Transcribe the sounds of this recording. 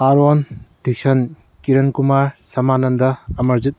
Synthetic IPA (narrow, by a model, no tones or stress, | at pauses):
aɾɔnd̪ʱik̚sɐn | kiɾɐnkumaɾsɐmanɐnd̪ɐːmɐɾzit̪̚